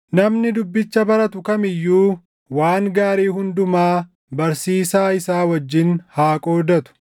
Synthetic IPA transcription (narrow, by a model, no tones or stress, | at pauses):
nɐmnɪd̪ʊbːɪt͡ʃːɐbɐɾɐt̪ʊkɐmɪjːuː | waːŋɡaːɾiːhʊnd̪ʊmaː | bɐɾsiːsaːɪsaːwɐd͡ʒːɪnhaːkʼoːd̪ɐt̪ʊ̥